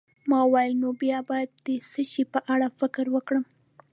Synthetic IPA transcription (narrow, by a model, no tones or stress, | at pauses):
mɑwajnobjɑbɑjad̪̚ːəsəʃipəʔaɽafɪkɾwəkɽəm